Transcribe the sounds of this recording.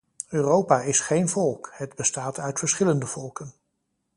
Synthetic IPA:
øːrowpaːɪsχejnvɔlˠkhədbəstaːtʰœɥtfəɹsχɪləndəv̥ɔlˠkən

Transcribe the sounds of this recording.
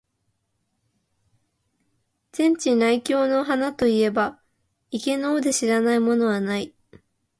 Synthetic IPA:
z̥ẽ̞ɲ̟t͡ɕinaikʲo̞ːno̞ɦanat̪o̞ie̞ba | ike̞no̞ːd̪e̞ɕiɾanaimo̞no̞βanai

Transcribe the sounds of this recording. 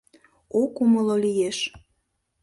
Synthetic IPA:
okuməlolijeʃ

